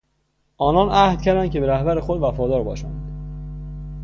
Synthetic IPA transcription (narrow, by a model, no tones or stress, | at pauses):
ʔɒːnɒːnʔæhd̪̥cʰæɾd̪ænkcʰe̞beɾæhbæɾexod̪væfɒːd̪ɒːɾbɒːʃæ̰nd̪̥